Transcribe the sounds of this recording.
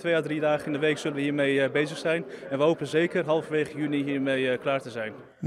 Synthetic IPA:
tʋejadridaːχəɪndəʋeːksɵlənʋəhiːɹmejbeːzəxsɛjnɛnʋəɦowpnəzeːkərɦɑlˠfʋeːɣəjyniɦiːɹmejklaːɹtəzɛjn

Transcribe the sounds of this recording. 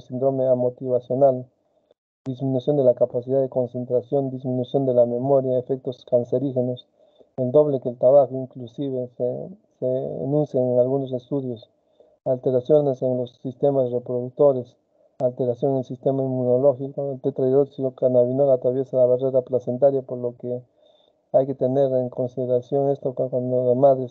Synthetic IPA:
sind̪ɾomeamo̞t̪iβasjo̞nal | d̪izmĩnusjo̞nd̪e̞lakapasiðaðeko̞nse̞nt̪ɾasjo̞nd̪izmĩnusjo̞nd̪elame̞mo̞ɾjaefek̚t̪oskanseɾixeno̞s | eld̪o̞βlekeːlt̪ɾaβaxoiŋklusiβesesḛnũnsjeŋeŋalɣuno̞s̬e̞st̪uðjo̞s | alt̪e̞ɾasjo̞neseŋlo̞sːist̪e̞masrepɾoðuk̚t̪o̞ɾe̞s | alt̪e̞ɾasjo̞ŋelsist̪e̞maimuno̞lo̞xikoelt̪et̪ɾajðoksiokanaβinoɣat̪ɾaβje̞salaβareɾaplase̞nt̪aɾjapo̞ɾlo̞ke | ajke̞t̪e̞ne̞ɾeŋko̞nsiðe̞ɾasjo̞ŋe̞st̪okokwand̪oðemaðɾes

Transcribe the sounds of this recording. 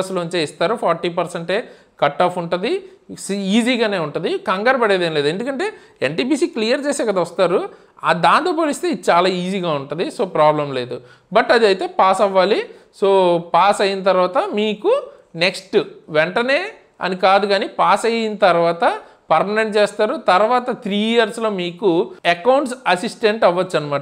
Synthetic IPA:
slouɲt͡ʃeːist̪aːɾupʰaːɾʈiːpɐɾseɳʈeː | kɐʈːaːfuɳʈund̪isiːziːɡaːne̞ːuɳʈund̪ikɐŋɡɐɾɐbɐɽeːd̪ɐːnileːd̪e̞nd̪ukɐɳʈe̞ː | eɳʈiːpiːsiːklijɐɾt͡ʃeːsɛːkɐd̪aːʋɐst̪aːɾu | a̰d̪aːnt̪oːp̬oːlist̪eːid̪t͡ʃaːlaːiːziːɡaːuɳʈund̪iso̞ːpɾaːblɐmle̞ːd̪u | bɐʈːɐd̪iɐjt̪e̞ːpaːsɐʋːaːli | soːpaːsɐjinɐt̪̬ɐɾʋaːt̪ɐmiːku | ne̞ksʈuʋɛɳʈɐne̞ː | ɐ̰nikaːd̪uɡaːnipaːsɐjinɐt̪ɐɾʋaːt̪ɐ | pɐɾmɐneɳʈt͡ʃeːst̪aːɾut̪ɐɾʋaːt̪ɐt̪ʰɾiːijɐɾslo̞ːmiːkuekɐwɳʈsɐsisʈeɳʈɐʋːɐt͡ʃːɐnimaːʈɐ

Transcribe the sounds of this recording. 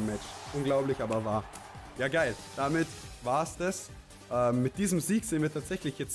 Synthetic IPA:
mɛt͡ʃʔʊnɡlaʊplɪçʔaːbɐvaːɐjaːɡaɪld̥amɪtv̥aːɐsd̥as | ʔɛmːɪt̚d̥iːzəmziːɡz̥eːənviɐtʰaːtz̥ɛçlɪçjɛt͡s

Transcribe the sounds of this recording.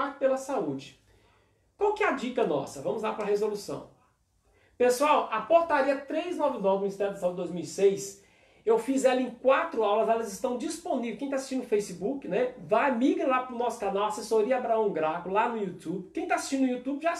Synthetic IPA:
pelɐsaud͡ʒɪ | kwawkɪɛad͡ʒikɐnɔ̰sɐvɐ̃mʊzlapɾɐhezolusɐ̰̃w̃ | pesuawɐpoɾt̪aɾiɐt̪ɾejznɔvɪnɔvɪminist̪ɛɾʊd̪ɐsaud͡ʒɪd̪ojzmiwisejs | ewfizɛlɐẽkwat̪ɾʊawlɐzɛlɐzɪst̪ɐ̃w̃d͡ʒisponivewkẽt̪asi̥sʃt͡ʃĩʊfejsibukɪnɛvajmiɡɾɐlapɾʊnɔsʊ̥kanawasesoɾiɐabɾaɐ̃w̃ɡɾakʊlanʊiut̪ubɪkẽj̃t̪asi̥ʃt͡ʃĩd̪ʊiut̪ubɪʒa

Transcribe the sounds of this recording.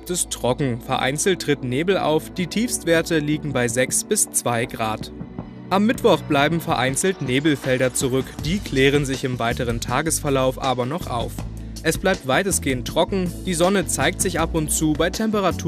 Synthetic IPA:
tɪstʁ̥ɔkŋ̩fɛɐʔa̰ɪnt͡sl̩t̚ːʁ̥ɪtneːbl̩ʔa̰ʊfd̥iːtʰiːfstv̥eːɐtəliːɡŋ̩baɪzɛksb̥ɪst͡sv̥aɪɡʁaːt | ʔamːɪtv̥ɔχb̥laɪbm̩fɛɐʔaɪnt͡sl̩tneːbl̩fɛldɐt͡suʁʏkd̥iːkʰl̥eːʁ̞ənzɪçɪmvaɪtəʁ̞əntʰaːɡəsfɛɐlaʊfʔaːbɐnɔχʔa̰ʊf | ʔɛsb̥laɪp̚tv̥aɪtəsɡ̥eːəntːʁ̥ɔkŋ̩d̥iːzɔnət͡saɪk̚tz̥ɪçʔapʊntt͡suːbaɪtʰɛmpəʁ̞atʰuː

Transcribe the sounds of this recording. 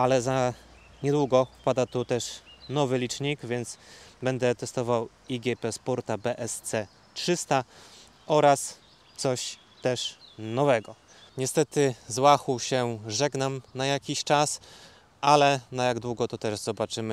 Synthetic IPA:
alɛza | ɲɛd̪wuɡɔfpad̪at̪ut̪ɛʂnɔvɘlʲit͡ʂɲikvʲjɛnt̪sbɛnd̪ɛt̪ɛst̪ɔvaw | iɡʲɛpɛspuɾt̪abɛʔɛst̪sɛ | tʂɘst̪a | ʔɔɾas | t̪sɔɕ | t̪ɛʂnɔvɛɡɔ | ɲɛst̪ɛt̪ɘzwaxuɕɛʐɛɡnamnajakʲiɕt͡ʂas | ʔalɛnajaɡd̪wuɡɔt̪ɔt̪ɛʐzɔbat͡ʂɘmɘ

